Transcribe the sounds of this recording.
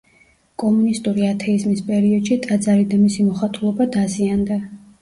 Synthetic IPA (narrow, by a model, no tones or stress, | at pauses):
kʼɔmunist̪ʼuɾiat̪ʰɛizmispʼɛɾiɔd̪̥ʃit̪ʼad̪zaɾid̪amisimɔχat̪ʼulˠɔbad̪aziand̪a